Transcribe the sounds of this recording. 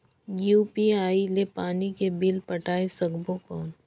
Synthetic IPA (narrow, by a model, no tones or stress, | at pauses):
juːpiaːilepaːnikebɪlpɐʈaːesɐɡbokɔːn